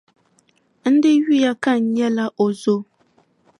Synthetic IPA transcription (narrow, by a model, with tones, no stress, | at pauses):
n̩˦dɪ˦ji˦ja˦ka˦˨n˨ɲɛ˦la˦ʔo˨zo˦